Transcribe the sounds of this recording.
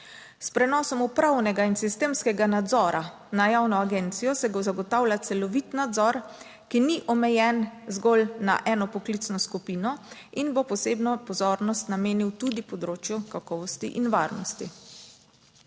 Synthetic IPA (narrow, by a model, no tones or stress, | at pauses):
spɾɛnɔːsɔmupɾawnɛɡainsist̪eːmskɛɡanad̪zɔːɾa | najawnɔaɡɛnt̪sijɔsɛbozaɡɔt̪awlʲjat̪sɛlɔʋit̪nad̪zɔɾ | kiniʔɔmɛjɛnzɡɔlna̰ʔɛːnɔpɔklit̪snɔskupiːnɔinbopɔseːbnɔpɔzɔːɾnɔst̪nameːniwt̪ud̪ipɔd̪ɾoːt͡ʃjukakɔːʋɔst̪ḭʔinʋaːɾnɔst̪i